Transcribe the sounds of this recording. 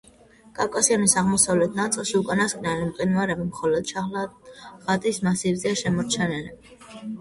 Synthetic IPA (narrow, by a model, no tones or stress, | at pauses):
kʼawkʼasianisaʁmɔsavlɛt̪ʰnat̪sʼlˠʃiukʼanaskʼnɛlimqʼinvaɾɛbimχɔlɔd̪̥ʃalʁat̪ʼismasivzɛaʃɛmɔɾt͡ʃʰɛnɛli